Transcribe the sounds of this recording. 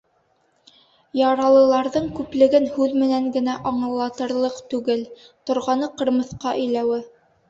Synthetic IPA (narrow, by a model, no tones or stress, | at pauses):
jɑɾɑlˠɤ̆lˠɑɾðɤɴkʉplɘ̆ɡɘnhʉðmɘ̆næŋɡɘ̆næʔɑɴɤ̆lˠːɑt̪ɤ̆ɾlˠɤqt̪ʉɡɘlt̪ŏɾʁɑnɤqɤ̆ɾmɤ̆θqɑʔɵ̆jlæwɘ